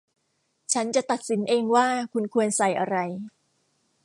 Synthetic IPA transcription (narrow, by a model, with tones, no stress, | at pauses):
t͡ɕʰa˦˥nt͡ɕa˨˩t̪a˨˩t̪̚si˩˦nʔeː˧ŋwaː˥˩kʰu˧nkʰu˧ənsa˨˩jʔa˧ɾa˧j